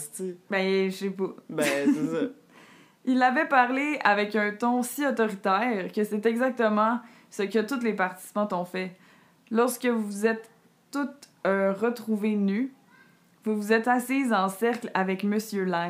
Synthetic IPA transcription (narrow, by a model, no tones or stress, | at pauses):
bɛsepɔbɛsɛsɔ | ilavɛpaʁleavɛkœ̃t̪ɔ̃siɔt̪ɔʁit̪ɛːʁkʲəsɛt̪ɛɡzak̚t̪əmɑ̃ | səkʲət̪ut̪lepaʁt̪i̥si̥pɑ̃t̪ɔ̃fɛ | lɔʁskʲəvuvuzɛt̪ː | ut̪øʁət̪χuveny | vuvuzɛt̪asizɑ̃sɛʁklavɛkməsjøla